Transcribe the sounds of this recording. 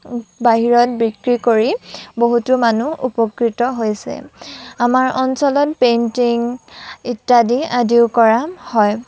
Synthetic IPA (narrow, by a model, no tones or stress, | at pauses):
baɦiɹɔt̚bikɹikoɹiboɦutumanuʔṵpɔkɹitɔɦojsɛ̰amaɹʔɔnsɔlɔt̚pentiŋitːadiadiʊkɔɹahɔj